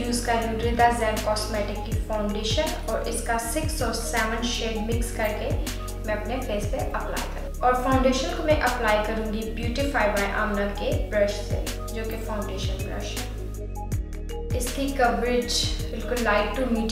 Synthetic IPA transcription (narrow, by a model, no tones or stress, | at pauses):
juːzkaɾũɖɾɪd̪azɛːmkɔːsmɛːʈɪkːifaːʊ̃ɳɖeːʃən | ɔːɾʔɪskasɪksɔsɛːʋə̃nʃeːɖmɪkskɐɾke | mɛ̃ɐpnepeːspeʔɐpla̰ːɪjkɐɾũɔːɾfãːʊ̃ɳɖeːʃənkomɛ̃ʔɐplaːɪkɐɾũːŋɡibjuːʈifaːɪʋaːɪʔa̰ːmnakebɾɐʃsḛ | d͡ʒoːkefaːʊ̃ɳɖeːʃənbɾɐ̰ʃ | ɪskikɐʋɾɪd͡ʒbɪlkʊlːaːɪk̚ʈumiːʈ